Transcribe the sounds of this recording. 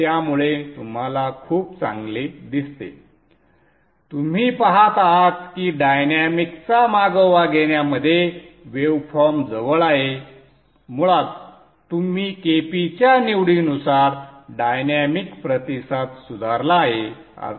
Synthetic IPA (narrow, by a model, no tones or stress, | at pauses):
t̪jamuɭet̪um̤alakʰuːp̚t͡sã̰ŋɡled̪ist̪ḛ | t̪um̤iːpaɦat̪aɦat̪̚kiːɖajnamikt͡samaɡəʋaɡeɳjaməd̪ʱːjeʋeʋfɔɾmd͡zəʋəɭaɦe | muɭat̪ | t̪ːum̤iːkepit͡ɕjaniʋɽinusaɾɖajnamikpɾət̪isat̪sud̪ʱaɾlaːɦe | a̰